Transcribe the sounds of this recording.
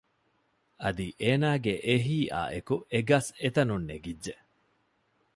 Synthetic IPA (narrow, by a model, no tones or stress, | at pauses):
ɐd̪iʔeːnaːɡeʔeɦiːʔa̰ːʔekueɡɐset̪ɐnunːeɡidʒe